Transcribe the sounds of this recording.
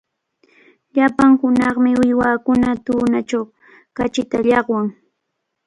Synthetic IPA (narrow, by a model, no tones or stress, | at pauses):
ʎapaŋhʊnɑχmɪʊjwaːkʊnat̪uːnat͡ʃaw | kat͡ʃɪt̪aʎɑχwaŋ